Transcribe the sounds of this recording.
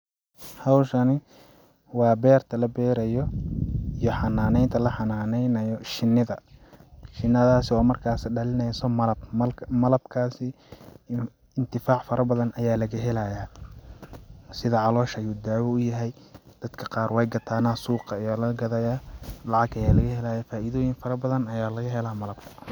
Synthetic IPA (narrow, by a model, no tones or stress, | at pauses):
hɑwʃɐnɪ | wɑːbɛːrt̪ʰɐlɐbɛːɾɐjɔijɔħɑnːaːnɛjnt̪ʰɐlɐħɑnaːnɛjnɐjɔʃɪnːɪðɐ | ʃɪnːɐðaːsɪɔːmɐrkʰaːsɐɖɐlɪnɛjsɔmɐlɐbmɐlɐbkʰaːsɪ | ɪnt̪ʰɪfaːʕfɐɾɐbɐðɐnʔɐjaːlɐɣɐɦɛlajaː | sɪðɐʕɑlɔːʃɐjuːd̪aːwɐʊjɐɦɛjd̪̥ɐd̪kʰɐqɑːrwɛjɡɐt̪ʰaːnasuːqɑjaːlɐɡɐðɐjaːlɑʕɑɡɐjaːlɐɣɐɦɛlaːjaːfaːʔiðɔːjɪŋfɐɾɐbɐðɐnɐjaːlɐɣɐɦɛlaːmɐlɐb̥̚kʰɐ̥